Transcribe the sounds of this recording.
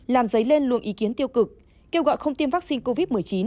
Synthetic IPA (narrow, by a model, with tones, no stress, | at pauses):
laː˨˩mzə˨˦jle˧nlɨ̰˧˨əŋʔi˨˦ki˨˦ənt̪i˧əwkɨ˨˩k̚ | ke˧wɣɔ̰˧˨jxə˧wŋ͡mt̪i˧mvaː˦˥k̚si˧nko˧vi˦˥t̚mɨ˨˩əjt͡ɕi˨˦n